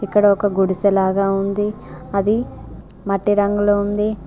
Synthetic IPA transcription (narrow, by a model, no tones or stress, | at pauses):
ikːɐɽɐɔkɐɡuɽusɛlaːɡaːund̪iɐd̪i | mɐʈːiɾɐŋɡulound̪i